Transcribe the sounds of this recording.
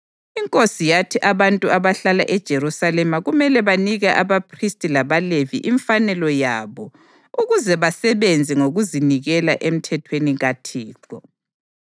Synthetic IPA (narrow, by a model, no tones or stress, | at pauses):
iŋkʼosijatʰiʔaβantʼuaβaɬalaʔɛd̥ʒ̥ʱeɾusalɛmaɣumɛlɛβaniɣaʔaβapʰristʼilaβalevḭʔiɱfanɛlɔjaβɔ | uɣuzɛβasɛβend͡zʱiŋoɣuziniɣɛlaʔem̩tʰɛtʰweniɣatʰiːǃɔ